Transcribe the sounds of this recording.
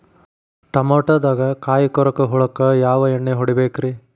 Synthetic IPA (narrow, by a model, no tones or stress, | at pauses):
ʈɐmoːʈɐd̪aːɡɐkaːjikɔɾɐkɐɦuɭɐkːɐjaːʋɐeɳːeɦoɽibeːkɾi